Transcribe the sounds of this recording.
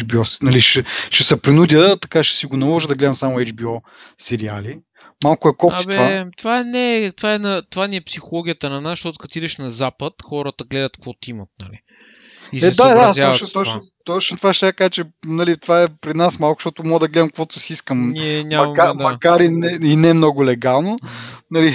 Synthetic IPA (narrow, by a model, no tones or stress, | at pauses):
d͡ʒbiɔsnɐliʃɛʃɛsɛpɾinud̪ʲət̪ɐkaʃɛ̥siɡonɐlˠɔʒəd̪ɐɡlɛd̪ɐɛmsamʊɛd͡ʒbiɔ | sɛɾia̰li | malˠkʊɛkɔab̪ɛvat̪ovaɛnɛt̪ovaɛnɐt̪ovaniɛpsixolˠɔɡʲiət̪ənɐnasʃt̪ɔt̪ʊ̥kɐt̪id̪ɛʃnɐzapət̪xɔɾət̪əɡlɛd̪ət̪kvɔt̪imət̪̚nɐ̰lḭ | isɛɛd̪ad̪azʲavt̪ɔt͡ʃa | t̪ɔt͡ʃnot̪ovaʃt̪akaʒt͡ʃɛnɐlit̪vaɛpɾinasmalˠkʊ̥ʃt̪ɔt̪ʊmɔəd̪ɐɡlɛd̪ɐmkvɔt̪ʊ̥siiskəmniɛnʲamɐmɐmkad̪mɐkaɾinɛinɛmnɔɡʊlɛɡalˠnonɐli